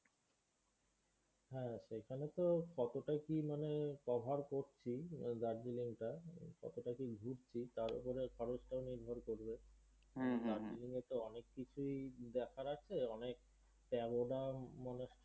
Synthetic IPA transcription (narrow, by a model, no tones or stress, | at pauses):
ɦɛ̃ʃekʰanet̪okɔt̪oʈakimanekɔbʱaɾkoɾt͡ɕʰid̪aɾdiliŋʈakɔ̰t̪oʈakiɡʱuɾt͡ɕʰit̪aɾṵpoɾekʰɔɾot͡ɕʈaoniɾbʱoɾkoɾbe | d̪aɾd͡ʑiliŋet̪oɔnekːit͡ɕʰuid̪ɛkʰaɾat͡ɕʰeɔnek̚ | pɛɡoɖamane